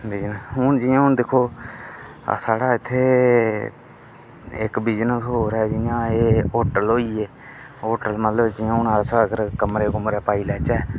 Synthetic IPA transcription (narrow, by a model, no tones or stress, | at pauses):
bid͡ʒnəsɦʊnd͡ʒɪjãːɦʊnd̪ɪkʰo̰ː | saːɽaːɪt̪ʰːeː | ɪ̰kbiːd͡ʒnəsɦoːɾɛːd͡ʒɪjãːeːoːɾʈəlɦoːiːeː | oːʈəlmət̪ləbd͡ʒɪjãːʊnaːsaːɡəɾkəmɾeːkʊmɾɛːpaːiːlɛːt͡ʃɛː